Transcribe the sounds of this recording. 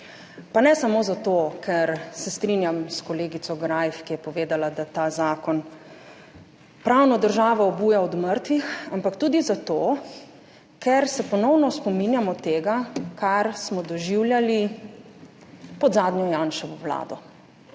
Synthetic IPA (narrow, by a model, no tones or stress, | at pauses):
panɛsamoːzat̪oːkʰɛɾsɛst̪ɾinjamskɔleːɡisɔɡɾajfkijɛpɔʋeːd̪alad̪at̪aːzaːkɔn | pɾawnɔd̪əɾʒaːʋɔɔbuːjaɔd̪məɾt̪ʋixampakt̪uːd̪izat̪oː | kʰɛɾsɛpɔnɔwnɔspɔminjamɔt̪eːɡakaɾsmɔd̪ɔʒiwljali | pɔd̪zaːd̪njɔjaːnʃɔʋɔwla̰ːd̪ɔ